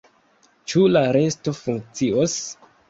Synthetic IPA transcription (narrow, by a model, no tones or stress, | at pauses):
t͡ʃulaɾe̞sto̞fuŋk̚t͡sios